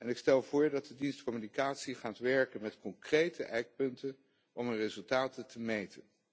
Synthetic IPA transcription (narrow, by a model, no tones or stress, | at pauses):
ɛnɪkstɛlˠv̥ʊːɹdɑt̚dədinstkɔmynikaːtsiχaːtʋɛɹkənmɛtkɔŋkrejtəʔɛjk̚pɵntən | ɔmənrezɵlˠtaːtətəmejtʰən